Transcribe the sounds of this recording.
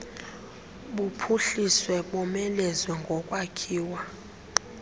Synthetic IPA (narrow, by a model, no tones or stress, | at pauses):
ɓupʰuɬiswɛɓɔmɛlɛzwɛŋɡʱɔkʼwakʰiːwa